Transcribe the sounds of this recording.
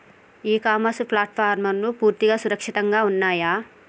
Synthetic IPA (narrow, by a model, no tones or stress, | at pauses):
iːkaːmɐsuplaːʈpʰaːɾmɐnːupuːɾt̪iɡaːsuɾɐkʂiʈ̪ɐŋɡaːunːaːjaː